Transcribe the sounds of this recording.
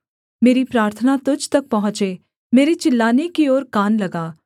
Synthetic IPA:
meːɾipɾaːɾt̪ʰənat̪ʊd͡ʒʱt̪ɐk̚pɐɦʊ̃t͡ʃeː | meːɾet͡ʃɪlːaːnekioːɾkaːnlɐɡaː

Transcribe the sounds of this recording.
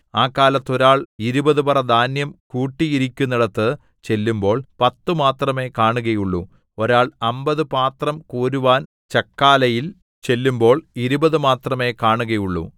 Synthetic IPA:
aːkːaːlɐt̪ːo̞ɾaːɭiɾubɐðubɐrɐd̪ʱaːnjɐmkuːʈːijiɾikʲːunːiɽɐt̪ːɨ | t͡ɕe̞lːumbo̞ːɭpɐt̪ːɨmaːt̪rɐme̞ːkaːɳuɣɐjuɭːṵ | oɾaːɭɐmbɐðɨpaːt̪rɐmkuːɾuʋaːn | t͡ɕɐkːaːlɐjil | t͡ɕe̞lːumbo̞ːɭiɾubɐðɨmaːt̪rɐme̞ːkaːɳuɣɐjuɭːṵ

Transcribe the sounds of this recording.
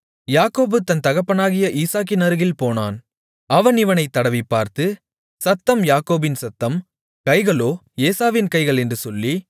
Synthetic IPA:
jaːkoːbɯt̪ɐnt̪ɐɣɐpːɐnaːɣɪjɐʔiːsaːk̬ːɪnɐɾɯɣɪlpoːnaːn | ɐʋɐnɪʋɐnɐɪt̪ːɐɽɐʋipːaːɾt̪ɯ | sɐt̪ːɐmjaːkoːbɪnsɐt̪ːɐm | kɐɪɣɐɭoː | eːsaːʋɪnkɐɪɣɐɭɛndrɯsɔlːi

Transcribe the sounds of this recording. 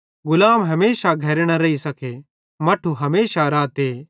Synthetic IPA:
ɡʊlaːmɦɐmeːʃaɡʱɐɾɽ̃aɾɐisɐkʰe | mɐʈʰuɦɐmeːʃaɾaːt̪eː

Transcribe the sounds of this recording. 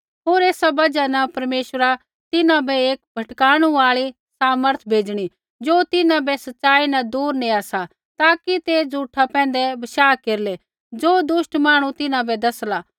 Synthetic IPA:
ɦoːɾeːsabɐd͡ʒanɐpɐɾmeːʃəɾa | t̪ɪnãbʱɛeːk̚bʱɐʈkaːɽ̃uaːɭi | saːməɾt̪ʰbʱeːd͡ʒɽ̃i | d͡ʒoːt̪ɪnãbɛsɐtːʃaːinɐd̪uːɾneasa | t̪aːkit̪ed͡zuːʈʰapɛ̃ːnd̪ɛbɐʃaːkeːɾlɛ | d͡ʒoːd̪ʊʃʈmaːɽ̃ũt̪ɪnãbɛd̪ɐslaː

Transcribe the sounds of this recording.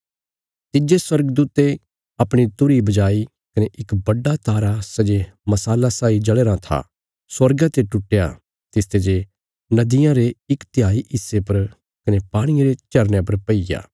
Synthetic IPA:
t̪ɪd͡ʒeswɐɾɡəd̪uːt̪e | ɐpɽ̃it̪ʊɾibɐd͡ʒaːi | kɐneʔɪkbɐɖat̪aːɾasɐd͡ʒemɐsaːlasaːid͡ʒɐɭeːɾat̪ʰa̰ | swɐɾɡãt̪eʈʊʈːeja̰ | t̪ɪst̪ed͡ʒe | nɐd̪ɪjãɾeɪkt̪ɪjaːiɪsːepɐɾ | kɐnepaːɽ̃ieɾet͡ʃɐɾnjep̬ɐɾpɐija̰ː

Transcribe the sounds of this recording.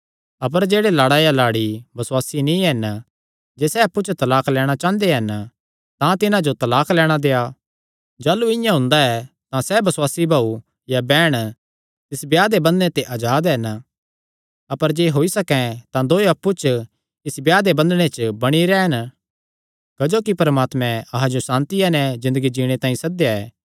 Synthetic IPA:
ɐp̬əɾd͡ʒeːɽelaːɽaːjalaːɽibɐswaːsinĩɦɐn | d͡ʒeːsɛɐpːut͡ʃt̪ɐlaːkʰlɛːɽ̃at͡ʃãːnd̪eɦɐn | t̪ãt̪ɪnãd͡ʒot̪ɐlaːkʰlɛːɽ̃ad̪eːa | d͡ʒaːlːuɪ̃jãɦʊ̃nd̪aɛ | t̪ãsɛbɐswaːsibʱaːu | jabɛːɽ̃ | t̪ɪsbjaːd̪ebɐ̃nd̪nẽt̪eʔaːd͡ʒaːd̪ɦɐn | ɐpəɾd͡ʒeːɦoːisɐkɛ̃t̪ãd̪oːiɐpːut͡ʃ | ɪsbjaːd̪ebɐ̃nd̪ɽ̃et͡ʃbɐɽ̃iɾɛːɦən | kɐd͡ʒoːkipɐɾmaːt̪mɛ̃ɐɦãd͡ʒosãːnt̪iɛnɛ̃zɪ̃nd̪əɡid͡ʒiːɽ̃et̪ãːĩsɐd̪jaɛ̰ː

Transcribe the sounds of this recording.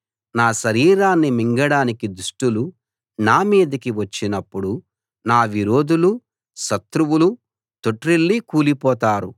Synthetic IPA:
naːʃɐɾiːɾaːnːimiŋɡɐɽaːnikid̪uʂʈulu | naːmiːd̪ɐkiʋɐt͡ʃːinɐpːuɽu | naːʋiɾoːd̪ulu | ʃɐt̪ɾuwulu | t̪oʈɾilːikuːlipɔːt̪aːɾṵ

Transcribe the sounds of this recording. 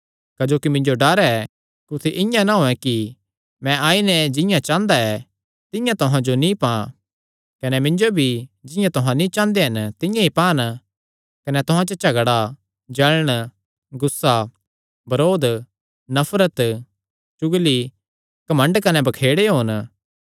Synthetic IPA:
kɐd͡ʒoːkimɪ̃ɲd͡ʒoɖaːɾɛɛ | kʊt̪ʰeʔɪ̃jãnaɦoɛ̃ki | mɛ̃ʔaːinɛd͡ʒɪ̃jãt͡ʃãːnd̪aɛ | t̪ɪ̃jãt̪ʊɦãd͡ʒonĩpã | kɐnɛmɪ̃ɲd͡ʒobʱid͡ʒɪ̃jãt̪ʊɦãnĩt͡ʃãːnd̪eɦɐnt̪ɪ̃jãipãːn | kɐnɛt̪ʊɦãt͡ʃot͡ʃɐɡɽa | d͡ʒɐlɽ̃ | ɡʊsːa | bɐɾoːd̪ | nɐfʰɾət̪ | t͡ʃʊɡli | kɐmə̃ɳɖkɐnɛbɐkʰeːɽeɦoːn

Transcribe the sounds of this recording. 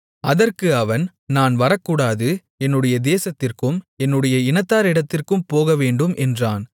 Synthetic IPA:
ɐðɐrkɯɐʋɐn | naːnʋɐɾɐkːuːɽaːðɯ | ɛnːɯɽɐjɐd̪eːsɐt̪ːɪrkɯmɛnːɯɽɐjɐɪnɐt̪ːaːɾɪɽɐt̪ːɪrkɯmpoːɣɐʋeːɳɖɯmʔɛndraːn

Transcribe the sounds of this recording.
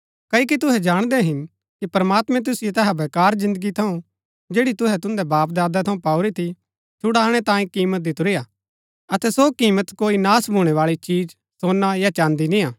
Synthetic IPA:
kɐik̬it̪̬ʊɦɛd͡ʒaːɽ̃d̪ɛɦɪn | kipɐɾəmaːt̪mɛ̃t̪̬ʊsɪjet̪ɛɦabekaːɾzɪ̃nd̪əɡit̪ʰɐũ | d͡ʒeːɽit̪ʊɦɛt̪ʊ̃nd̪ɛbaːp̬̚d̪aːd̪at̪ʰɐũpaːʊɾit̪ʰi | t͡ʃʰʊɽaːɽ̃ɛt̪ãːĩkiːmət̪̚d̪ɪt̪ʊɾɪja | ɐt̪ɛsokiːmət̪koːinaːsbʱuːɽ̃ɛʋaːɭit͡ʃiːd͡ʒ | soːnːajat͡ʃãːnd̪inɪ̃jaː

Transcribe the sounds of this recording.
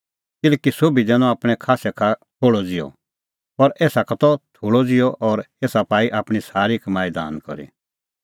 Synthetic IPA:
kɪlɛːkisoːbidɛːñɔ̃aːpɽ̃ɛkʰaːsɛkʰat̪ʰoːɭɔd͡zɪjɔ̰ | pɐɾeːsakʰat̪ɔt̪ʰoːɭɔd͡zɪjɔʔɔːɾ | eːsapaːiʔaːpɽ̃isaːɾikmaːjd̪a̰ːnkɔ̰ɾḭ

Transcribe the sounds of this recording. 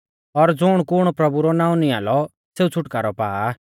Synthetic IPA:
ɔɾd͡zʊɽ̃kʊɽ̃pɾɐbuɾɔnãːũnĩa̰ːlɔ | seːut͡sʰʊʈkaːɾɔpa̰ːa

